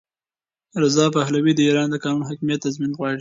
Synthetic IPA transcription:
ɾɪzɑpahlawid̪əiɾɑnd̪əkɑnunoɦakmijat̪ːazminɣwɑɽi

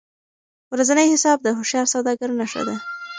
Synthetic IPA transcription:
wɾazanəjhɪsɑb̚d̪əɦʊʃjɑɾsawd̪ɑɡaɾnaʃa̰d̪a

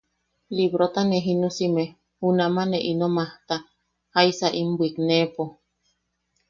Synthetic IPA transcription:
libɾot̪aneɦinusime | hunamaneʔinomaht̪a | haisaʔimbwiknepo

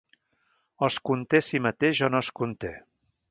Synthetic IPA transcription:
əskunt̪esimət̪eʒɔnoskunt̪e

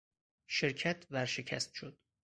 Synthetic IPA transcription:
ʃeɾcʰæt̪ʰvæɾʃecʰæ̰st̪ʃod̪̥

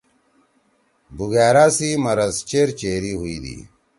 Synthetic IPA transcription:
buɣæːɾaːsimɐɾɐzt͡ɕeːɾt͡ɕeːɾiːɦuid̪ḭː

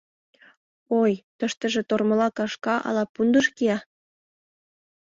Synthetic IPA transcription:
ojt̪ə̆ʃt̪ə̆ʒĕt̪ormɤ̆lɑkɑʃkɑʔɑ̰lɑpund̪ə̆ʃkiɑ

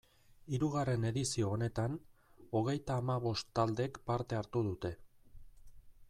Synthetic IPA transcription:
iɾuɣare̞ne̞ðisio̞ːne̞t̪ano̞ɣ̞e̞jt̪aːmaβ̞o̞st̪ːald̪e̞kpaɾt̪e̞aɾt̪uð̞ut̪e̞

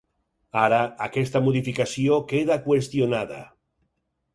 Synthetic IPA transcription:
aɾaakest̪amoðifikasjokeð̞akwest̪jonaða̰

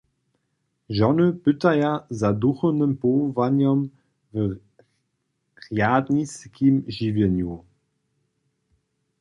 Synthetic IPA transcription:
ʒɔnəpʏtajazaduxənəmpɔvanjɔm | və | ʁjaːdniskʰimʒivjɛnju

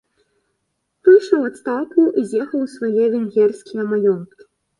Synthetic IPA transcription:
pɨʂɐvat̪st̪awkuʔizʲjɛxɐwsvajɛvʲɛŋɡʲɛrsʲkʲijɐmalʲɔnt̪kʲi̥

